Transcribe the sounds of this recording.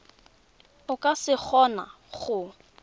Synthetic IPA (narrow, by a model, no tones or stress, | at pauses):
ʊkʼasɪk͡xʰɔna̰ | χʊ